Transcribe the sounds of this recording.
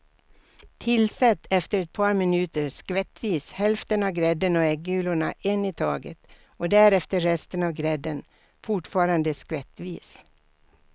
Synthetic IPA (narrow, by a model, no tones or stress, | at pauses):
t̪ʰɪlsɛt̪ːɛft̪əɾɛt̪̚pʰɑːɾmɪnʉːt̪əɾskʋɛt̪ʋiːshɛlft̪ənɑːʋɡɾɛd̪ənoːɛɡʉːlʊɳɑʔɛniːt̪ʰɑːɡə̰t̪ | oːd̪æːɾɛft̪əɾɛst̪ənɑːʋɡɾɛd̪ən | fʊʈfɑːɾɑnd̪əskʋɛt̪ʋiːs